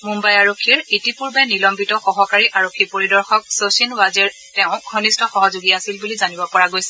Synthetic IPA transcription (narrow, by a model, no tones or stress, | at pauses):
mumbajaɹokʰːiɹetipuɹbɛnilɔmbitɔxɔɦɔkaɹiʔaɹokʰːipoɹidɔɹxɔk̚sosinwazɛɹ | tɛʊ̃ɡʱɔnistʰɔxɔɦɔzoɡiasilbulizanibɔpɔɹaɡojsɛ